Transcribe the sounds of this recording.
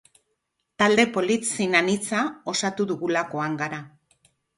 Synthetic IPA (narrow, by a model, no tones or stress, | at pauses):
t̪ald̪e̞po̞lit̪sinanit͡sao̞sat̪uðuɣulako̞aŋɡaɾa